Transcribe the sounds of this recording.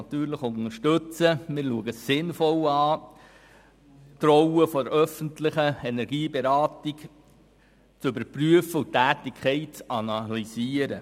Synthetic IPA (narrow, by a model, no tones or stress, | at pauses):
ɑt̪yːɾləχʊnəɾʃtɵt͡səmɪːɾluəɡəssɪnfɔlɑː | tɾɔwəfɔdəɾʔœfəntlɪχəɛnɛɾɡiːbeɾɑːtik | t͡sʏbəɾpryəfəutæːtɪkʰχɛɪt̚t͡sɑnɑlisiːəɾə